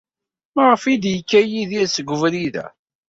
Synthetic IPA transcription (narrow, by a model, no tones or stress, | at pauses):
məʁəfid̪jəkːæjiðisəɡʷːəvɾiðæ̰